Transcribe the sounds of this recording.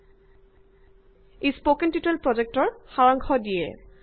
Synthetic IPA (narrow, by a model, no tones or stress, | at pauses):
espokentitelpɹɔd͡ʑek̚tɔɹxaɹɔŋkʰɔdijɛ̰